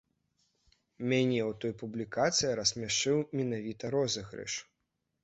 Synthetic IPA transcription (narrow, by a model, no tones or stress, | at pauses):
mʲanʲɛwt̪ɔjpublʲikat̪sɨjiɾɐsʲmʲaʂt͡ʂɨwmʲɛnavʲit̪ɐɾɔzɐɣɾɛ̰ʂ